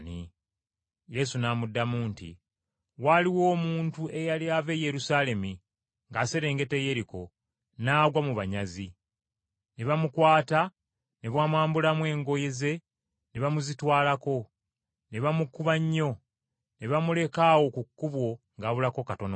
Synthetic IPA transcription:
ni | je̞sunaːmudːamuːntḭ | waliwo̞ːmuːntue̞jaliave̞je̞ɾusaːle̞mi | ŋɡaseɾe̞ːŋɡe̞teje̞ɾiko̞ | naːɡwamuβaɲazi | ne̞βamukwaːta | ne̞βwaːmwaːmbulamwe̞ːŋɡo̞je̞ze̞ | neβamuzitwaːlako̞ | ne̞βamukuβaɲːo̞ | ne̞βamule̞kawo̞kukːuβwo̞ŋɡaːβulako̞kato̞no

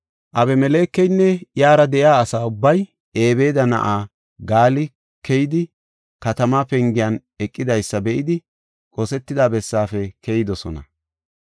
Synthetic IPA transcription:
ʔɐbɛmɛle̞ːkːɛjnːɛjaːɾɐd̪ɛʔɪaːsaːʊbːɐj | e̞ːbe̞ːd̪ɐnɐ̰ʔaː | ɡaːlɪ | kʰɛjɪd̪ɪ | kɐt̪ɐmaːpɛŋɡɪjɐn | ɛkʼːɪd̪ɐjsːɐbɛʔɪd̪ɪ | kʼosɛt̪ːɪd̪aːbɛsːaːfɛkʰɛjɪd̪ɔsɔnɐ̰

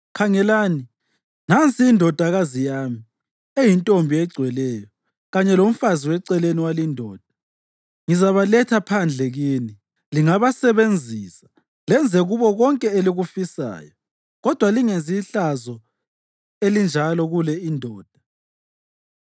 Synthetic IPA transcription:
kʰaŋɛlaːni | nant͡sʰʼiːndʱɔd̥ʱaɣazijaːmi | ejintʼombʱiɛɡ͡ǀʱwɛlɛjɔ | ɣaɲɛlom̩faziwɛǀɛleniwalindʱɔːd̥ʱḁ | ŋizaβalɛtʰapʰand͡ɮʱɛɣini | liŋaβasɛβend͡zʱiːsḁ | lɛnd͡zʱɛɣuβɔɣɔŋkʼɛeliɣufisa̰ːjɔ | ɣɔd̥ʱwaliŋenziɬazɔ | elind͡ʒʱalɔɣulɛindʱɔːd̥ʱḁ

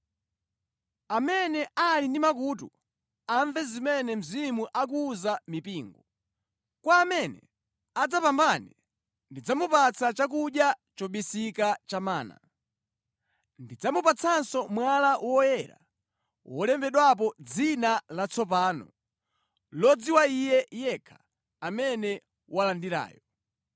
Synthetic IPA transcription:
amɛnɛalindimak̬uːtṵ | aɱvɛzimɛnɛm̩zimuʔak̬uːzamipiːŋɡɔ | kwaːmɛnɛ̰ | ad͡zapambanɛ | ndid͡zamupat͡sʰat͡ʃak̬uɗjat͡ʃɔɓisikat͡ʃamaːna̰ | ndid͡zamupat͡sʰansɔmwalawɔjɛɾa̰ | wɔlɛmbɛɗwap̬ɔd͡zinalat͡sʰɔp̬aːnɔ̰ | lɔd͡ziwaijɛjɛkʰḁː | mɛnɛ | walandiɾa̰ːjɔ

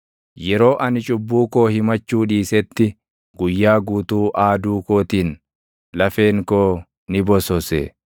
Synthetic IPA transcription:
jɛɾo̞ːʔɐnɪt͡ʃʼʊbːuːkoːhɪmɐt͡ʃːuːᶑiːsɛt̪ːɪ | ɡʊjːaːɡuːt̪uːʔaːd̪uːkoːt̪iːn | lɐfe̞ːŋkoː | nɪbɔsɔsḛː

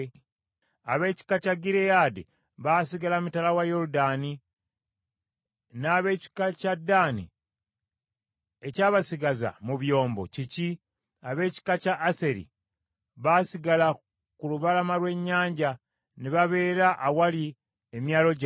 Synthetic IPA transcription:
aβe̞ːci̥kacaɡiɾejade | βasiɡalamutalawajo̞ɾudani | naːβe̞ːci̥kacadːanḭ | ecaːβasiɡaza̰muβjo̞ːmbo̞̰cici | aβe̞ːci̥kacaʔːseɾḭ | βasiɡala | kuluβalamalwe̞ɲːaːɲɟa | niβaβe̞ːɾaʔawali | emjaːlo̞ɟa

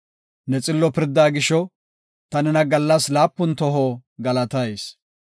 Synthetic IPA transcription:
nɛt͡sʼɪlːɔpɪɾd̪aːɡɪʃɔ | t̪ɐnɛnɐɡɐlːɐslaːpːʊnt̪ɔɦɔɡɐlɐt̪ɐjs

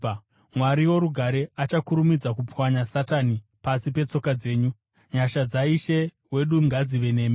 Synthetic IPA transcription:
mwaɾiwo̞ɾuɡʱaɾeat͡ʃakuɾumid͡zakupwaɲasatanipasipe̞t͡so̞kad͡ze̞ːɲu | ɲaʃad͡zaiʃe̞ | we̞ɗuŋɡad͡ziʋe̞ne̞ːme

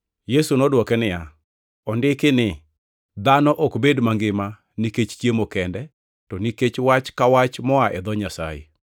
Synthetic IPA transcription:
jesunɔdwɔkɛnɪja | ɔndɪkɪnɪ | d̪anɔʔɔkbedmaŋɡɪma | niket͡ʃt͡ʃjemokɛndɛ | tɔniket͡ʃwat͡ʃkawat͡ʃmɔaʔɛd̪ɔɲasa̰jḛ

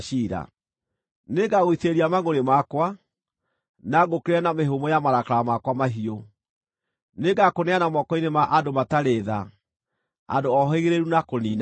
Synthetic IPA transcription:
ʃiɾa̰ | neɡaɣwiteɾiamaɣoɾemakwa | naɡokeɾeɛnameɦomɔjamaɾakaɾamakwamaɦio | neɡakonɛanamɔkɔinemaʔadomataɾeða | a̰doɔɦɔeɣeɾeɾunakoniːna

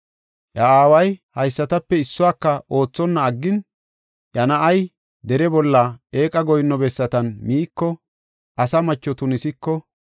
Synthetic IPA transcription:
ʔɐaːwɐjhɐjsːɐt̪ɐpːɛɪsːʊwaːkːɐʔo̞ːt͡sːɔnːɐːɡːɪn | jɐnɐʔɐj | d̪ɛɾɛbɔlːɐeːkʼɐɡɔjnːɔbɛsːɐt̪ɐnmiːkːɔ | ʔɐsɐmɐt͡ʃːɔt̪ʊnɪsɪkːɔ

